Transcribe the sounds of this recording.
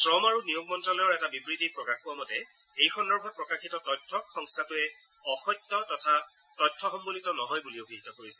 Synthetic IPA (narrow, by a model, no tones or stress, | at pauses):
sɹɔmaɹunijoɡmɔntɹalɔjɔɹɛtabibɹitipɹɔkaxuwamɔtɛ | ejxʰɔnːɔɹbʱɔt̚pɹɔkaxitɔtɔjtʰːɔxɔŋstʰatʊɛ | ɔxɔjtːɔtɔtʰa | tɔjtʰːɔxɔmbolitɔnɔɦɔjbuliobʱiɦitɔkoɹisɛ